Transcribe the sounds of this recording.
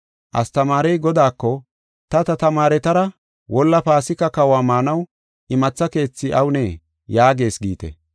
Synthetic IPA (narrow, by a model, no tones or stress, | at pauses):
ʔɐ̰st̪ɐmaːɾɛjɡɔd̪aːkːɔ | t̪ɐt̪ɐt̪ɐmaːɾɛt̪ɐɾɐ | wɔlːɐpaːsɪkːɐkɐwaːmaːnɐw | ʔɪmɐt͡sːɐke̞ːt͡sːɪʔɐwʊneː | jaːɡe̞ːsɡiːt̪ɛ̰